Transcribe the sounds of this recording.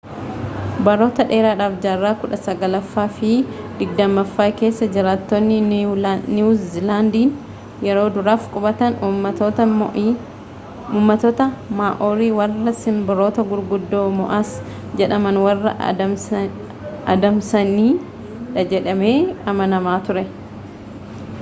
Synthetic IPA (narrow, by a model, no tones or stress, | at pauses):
bɐɾo̞ːt̪ɐᶑe̞ːɾaːᶑaːfd͡ʒaːrːaːkʊᶑɐsɐɡɐlɐfːaːfɪ | d̪ɪɡ̚d̪ɐmːɐfːaːke̞ːsːɐd͡ʒɪɾaːt̪ːɔnːɪnnizɪland̪iːn | jɛɾo̞ːd̪ʊɾaːfkʼʊbɐt̪ɐnɐ | uːmːɐt̪ot̪ɐmaːʔoːɾiːwɐrːɐsɪmbɪɾo̞ːt̪ɐɡʊɾɡʊd̪ːoːmɔʔas | d͡ʒɛᶑɐmɐnwɐrːɐ̰ | ɐd̪ɐmsɐniː | ᶑɐd͡ʒɛᶑɐme̞ːɐmɐnɐmaːt̪ʊɾɛ